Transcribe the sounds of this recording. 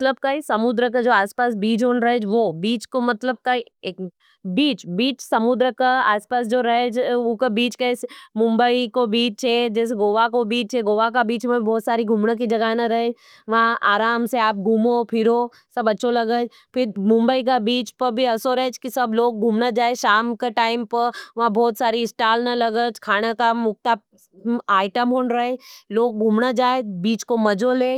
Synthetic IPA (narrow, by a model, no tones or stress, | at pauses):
mɐt̪ləb̚kaisɐmʊd̪ɾəkad͡ʒoːaːspaːsbiːt͡ʃɦonɾɐɦed͡ʒʋobiːt͡ʃkomɐt̪ləb̚kai | e | biːt͡ʃbiːt͡ʃsɐmʊd̪ɾəkaaːspaːs̬d͡ʒoːɾɐɦed͡ʒokabiːt͡ʃkeɪsmʊ̃mbəikobiːt͡ʃɦɛd͡ʒɛːs̬eɡoːʋakobiːt͡ʃɦɛɡoːʋakabiːt͡ʃmẽbʱibɔːt̪saːɾiɡʱumnək̬id͡ʒɐɡaːnaɾɐɦed͡ʒ | ʋɐɦãʔaːɾaːmseaːp̚ɡʱuːmopʰɪɾo | sɐbɐtːʃʰolɐɡəd͡ʒ | pʰɪɾmʊ̃mbəikabiːt͡ʃpɐɾbʱiɐsoɾɐɦet͡ʃkisɐbloːɡ̚ɡʱuːmnad͡ʒaːeʃaːmkaʈaːɪmpɐɾʋɐɦãbʱɔːt̪saːɾiɪsʈaːlnalɐɡət͡ʃkʰaːɽ̃akamʊk̚t̪a | aːɪʈəmɦoːnɾɐɦeloːɡ̚ɡʱuːmnad͡ʒaːebiːt͡ʃkomɐd͡ʒoleː